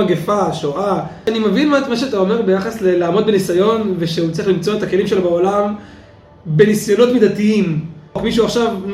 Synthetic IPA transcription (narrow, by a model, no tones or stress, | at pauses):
aɡefaʃoʔaanimevinmamaʃeat̪ao̞me̞ʁbe̞jaχaslelaːmo̞d̪̚benisajo̞nveʃeut͡sʁiχlimt͡so̞etake̞limʃe̞lobeo̞lam | be̞nisjo̞no̞t̪mid̪atiimkmiʃuaχʃav